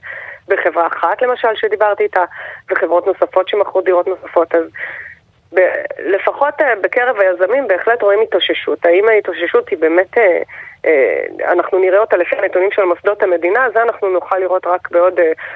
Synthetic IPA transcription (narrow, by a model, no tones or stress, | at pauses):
beχe̞vʁaːχatle̞maʃalʃed̪ibaʁt̪iːtaveχevʁo̞tno̞safo̞tʃemaχodiʁo̞tno̞safo̞taz | bele̞faχo̞tebeke̞ʁevajazamimbe̞ːχle̞tʁo̞imitoʃeʃutaimaitoʃeʃuthibe̞ːmeteḛa̰naχnuniʁeotalefianetunimʃelmosd̪othame̞dinazeanaχnunuχalːiʁo̞tʁakbeo̞de